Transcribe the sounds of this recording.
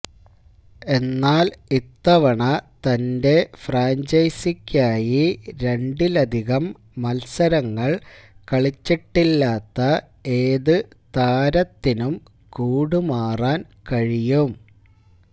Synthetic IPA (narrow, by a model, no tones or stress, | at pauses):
e̞nːaːlit̪ːɐʋɐɳɐt̪ɐnde̞fraːɲd͡ʑɐjsikʲːaːjiɾe̞ɳɖilɐd̪ʱiɣɐmː | ɐlsɐɾɐŋːɐɭkɐɭit͡ɕːiʈːilːaːt̪ːɐ | e̞ːðɨ | t̪aːɾɐt̪ːinum | kuːɽumaːraːn | kɐɻijum